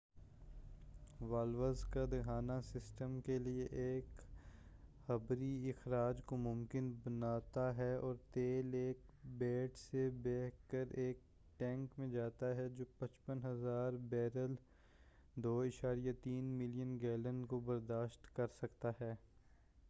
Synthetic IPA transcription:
ʋaːlʋəɾzkad̪ɐɡʰʱaːnasɪsʈəmkelieʔeːk | hɐbɾiɪxɾaːd͡ʒkomʊ̃mkɪnbɐnaːt̪aɦɛɔːɾt̪eːleːk̚beːʈsebɛːkəɾeːk̚ | ʈɛ̃ːŋkmẽd͡ʒaːt̪aɦɛd͡ʒoːpɐ̃t͡ʃpənɦɐzaːɾbɛːɾəl | d̪oːɪʃaːɾijat̪iːnmɪlijənɡɛːlə̃nkobɐɾd̪aːʃt̪kɐɾsɐkt̪aɦɛː

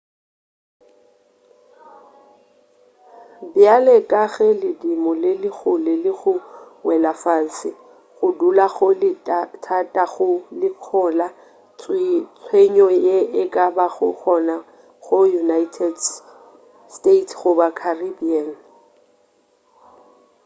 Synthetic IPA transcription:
bjalɛkʼaɣɛlɪdimɔlɪlɪɣʊlɪlɪɣʊwɛlafasɪ | ɣʊdulaɣʊlɪtʰatʼaɣʊlɪkʰɔla | t͡sʰweɲɔjeʔɪkʼabaɣʊ̰k͡xʰɔna | ɣʊjunaitʰɛd | stetʰɣʊbakʰaribian̩

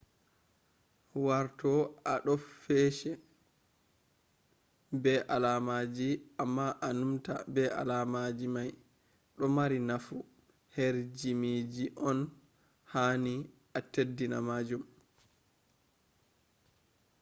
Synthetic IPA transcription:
waɾtɔʔaɗɔfɛʃɛ | bɛʔalamad͡ʒiʔamːaʔanumta̰bɛʔa̰lamad͡ʒimaj | ɗɔmaɾinafu | heɾd͡ʒimid͡ʒiʔɔn | haːni | atedːina̰maːd͡ʒum

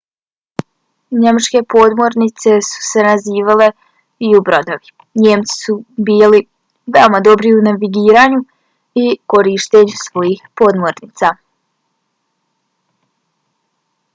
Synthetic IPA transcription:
ɲe̞mat͡ʃke̞po̞d̪mo̞ɾnit̪se̞su̥se̞naziːʋale̞ | iubɾo̞d̪oʋi | ɲe̞ːmt̪si̥subiːli | ʋeo̞mad̪o̞bɾiunaʋiɡiːɾaːɲu | iko̞ɾiʃt̪eɲusʋo̞jixpo̞ːd̪moɾniːt̪sa

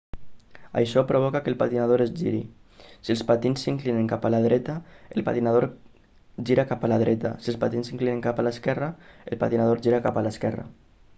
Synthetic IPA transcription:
a̰jʃɔpɾʔoβ̞ɔkakəlˠpat̪inað̞oɾezʒiɾḭsiəlˠspat̪insːiŋklineŋkapalaðɾɛt̪aelˠpa̰t̪inaðoɾ | ʒiɾakapalaðɾɛt̪a̰siəlˠspat̪insiŋklineŋkapalaskɛraelˠpat̪inað̞oɾʒiɾakapalaskɛra̰

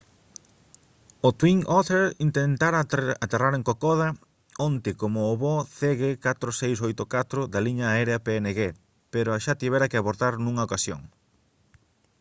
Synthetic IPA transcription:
ot̪wiŋot̪eɾint̪ent̪aɾaat̪eraɾẽŋkokɔðɐ | ɔnt̪ɪkomoːβoθɛɣɪkat̪ɾosejs̬ojt̪okat̪ɾʊd̪ɐliɲɐːɛɾeɐpeeneɣe | peɾoaʃat̪iβɛɾɐkɪaβoɾt̪aɾnũŋɐokasjo̰ŋ

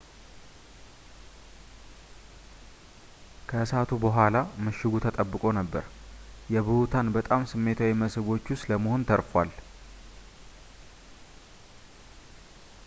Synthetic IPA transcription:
kʰəsat̪ʰubəɦʷalaməʃːɪɡut̪ʰət̪ʼəbːɨkʼo̞nəbːə̰ɾjɛβɨhut̪ʰanbət̪ʼamsɨmːe̞t̪ʰawiməsɨβo̞t͡ʃːusləməho̞nt̪ʰəɾfwal

